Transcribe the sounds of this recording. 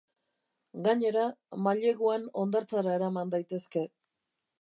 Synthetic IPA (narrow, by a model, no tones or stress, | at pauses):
ɡaɲe̞ɾamaʎe̞ɣuano̞nd̪aɾt͡saɾaeɾamand̪ajt̪e̞ske̞